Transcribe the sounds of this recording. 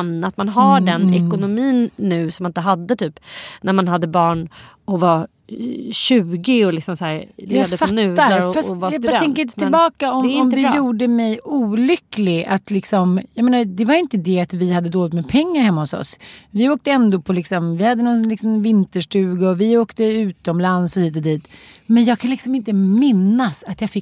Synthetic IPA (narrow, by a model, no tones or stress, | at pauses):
mnat̪manɦaɖɛnɛkʊnʊmiːnːʉ̟ːsɔmanɪnt̪əɦad̪ːət̪ʰyːpnæɾmanhad̪ːəbɑːɳ | ɔva | ɕʉ̟ːɡɪɔlɪksɔmsæːɾd̪əpfanʉ̟ːaɾɾfasɔvaaɛɛŋkkəɪɪllbɑːkaɔmɔmd̪ɪjuːɖəmɛjuːlʏklɪɡat̪lɪksɔmjɑmeːnad̪ɛvaɾjɪnt̪əd̪ɛat̪vɪhad̪ːəd̪oːlɪt̪mɛpʰɛŋːaɾhɛmːahʊsɔ̰svɪoːk̚t̪əɛnd̪opʰɔlɪksɔmvɪhad̪ːənɔnlɪksɔmvɪnt̪əʂʈʉ̟ːɡaɔvɪoːkt̪əʉ̟ːt̪ɔmlansɔhiːt̪̬ɔd̪iːt̪mɛnjɑːɡkʰanlɪksɔmɪnt̪əmɪnːasat̪jɑːfɪk